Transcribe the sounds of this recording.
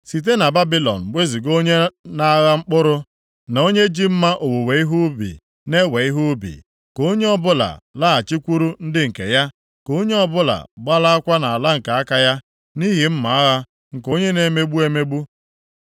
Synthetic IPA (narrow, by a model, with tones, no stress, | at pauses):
si˨t̬e˦na˨ba˦bi˦lɔ̰˨n̩˨ɡ͡be˦zi˨ɡo˦ɲe˦na˦ɣa˦ŋ͡m̩˦k͡pʊ˦ɾʊ˦ | na˨o˦ɲe˦d͡ʒi˦m̩˦ma˦ʔo˨wo˨we˨˦i˦ɦu˦bḭ˨ | ne˦we˨i˦ɦu˦bḭ˨ | ko˦ɲe˦ɔ˦bʊ˦la̰˨la˦˨a˨t͡ʃi˦kʷu˦ɾu˦n̩˦dɪ˦ŋ̩˨kḛ˨ja˦ | ko˦ɲe˦ɔ˦bʊ˦la̰˨ɡ͡ba˦la˦a˦kʷa˦na˨a˨la˦ŋ̩˨ka˨a˦ka˦ja˦ | ni˦ɦi˨m̩˦ma˨a˦ɣa˦ | ŋ̩˨ko˦ɲe˦ne˨me˦ɡ͡bu˦e˦me˦ɡ͡bu˦